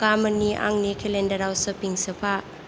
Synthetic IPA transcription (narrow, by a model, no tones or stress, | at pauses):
kaməniʔa̰ŋnikʰelendadawsəpiŋsəpʰaʔ